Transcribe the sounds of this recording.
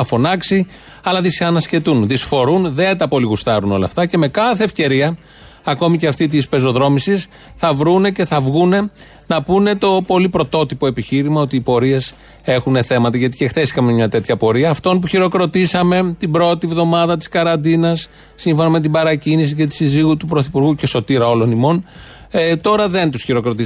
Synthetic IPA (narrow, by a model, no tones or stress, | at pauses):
ɐfo̞nɐksi | ɐlɐðisçɐnɐsce̞t̪unðisfo̞ɾunðe̞t̪ɐpo̞liɣust̪ɐɾuno̞lɐ̰ft̪ɐce̞me̞kɐθe̞ːfce̞ɾiɐ | ɐko̞miceɐft̪it̪ispe̞zo̞ðɾo̞misis | θɐvɾune̞ce̞θɐvɣune̞ | nɐpune̞t̪o̞po̞lipɾo̞t̪o̞t̪ipo̞e̞piçiɾimɐo̞t̪iːpo̞ɾie̞s | e̞xune̞θe̞mɐt̪ɐʝɐt̪i̥ce̞xθe̞sikɐmemɲɐt̪e̞t̪çɐpo̞ɾiɐːft̪o̞np̬uçiɾo̞kɾo̞t̪isɐme̞t̪ibɾo̞t̪ivðo̞mɐðɐt̪i̥skɐɾɐnd̪inɐsː | iɱfo̞nɐme̞t̪̬ibɐɾɐcinis̬ice̞t̪i̥siziɣut̪upɾo̞θipuɾɣuce̞so̞t̪iɾɐo̞lo̞nimo̞n | t̪o̞ɾɐðe̞nt̪usçiɾo̞kɾo̞t̪i